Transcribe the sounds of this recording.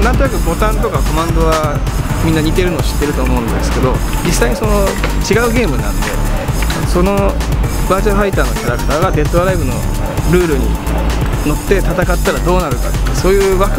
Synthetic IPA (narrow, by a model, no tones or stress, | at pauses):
nãnt̪o̞nakɯ̟bo̞t̪ãnt̪o̞kako̞mãnd̪o̞βamʲĩnːaɲ̟it̪e̞ɾɯ̟no̞ːɕi̥t̪ːe̞ɾɯ̟t̪o̞ːmo̞ɯ̟̃nd̪esɨ̥ke̞d̪o̞d͡ʑisːaiɲ̟iso̞no̞t͡ɕiɡaɯ̟ɡe̞ːmɯ̟nã̰nd̪e̞̰so̞no̞baːʑaɸait̪aːno̞kʲaɾakɯ̟̥t̪aːɡad̪e̞t̪ːoɾaibɯ̟no̞̰ | ɾɯ̟ːɾɯ̟ɲ̟ḭ | no̞t̪ːe̞t̪at̪akat̪ːaɾad̪o̞ːnaɾɯ̟ka̰t̪ːso̞ːjɯːβakɯ